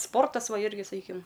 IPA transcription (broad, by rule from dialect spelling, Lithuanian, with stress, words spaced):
ˈspoːrtɐs ˈʋɐ ˈɪrʲɡʲɪ sɐˈkʲiːkʲɪm